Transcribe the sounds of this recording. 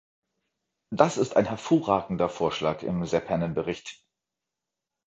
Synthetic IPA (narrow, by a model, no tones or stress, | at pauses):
d̥asɪsta̰ɪnɦɛɐfoːɐʁaːɡŋ̩dɐfoːɐʃlaːkɪ̰mzɛpʰɛnənbəʁɪçt